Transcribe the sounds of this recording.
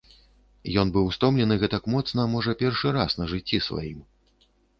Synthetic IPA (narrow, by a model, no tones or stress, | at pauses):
jɔnbɨwst̪ɔmlʲɛnɨɣɛt̪akmɔt̪snɐmɔʐɐpʲɛrʂɨɾasnɐʐɨt͡sʲːisva̰jim